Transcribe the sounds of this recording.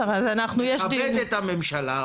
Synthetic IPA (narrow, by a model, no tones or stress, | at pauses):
azanaχnujɛʃd̪ieet̪hamemʃala